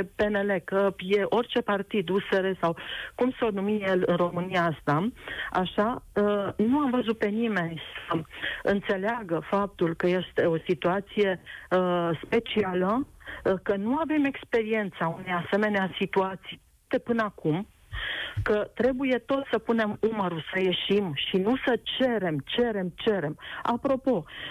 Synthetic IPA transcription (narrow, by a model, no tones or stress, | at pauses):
pe̞ne̞le̞kəje̞ʔo̞rʲt͡ʃe̞part̪id̪useɾesawkumsonumije̞lɨnro̞mɨnijaast̪aaʃa | nuamvəzut̪̚pe̞nime̞nʲsəɨnt̪se̞leaɡəfap̚t̪ulkəje̞st̪e̞o̞sit̪uat̪sije̞ | spe̞t͡ʃialəkənuave̞me̞kspe̞ɾie̞nt̪saune̞jase̞me̞neasit̪uat̪sij | t̪epɨnəakum | kət̪ɾe̞buje̞t̪o̞t̪səpune̞muməɾusəje̞ʃimʃinusət͡ʃe̞ɾe̞mt͡ʃe̞ɾe̞mt͡ʃe̞ɾe̞ma̰pɾo̞po̞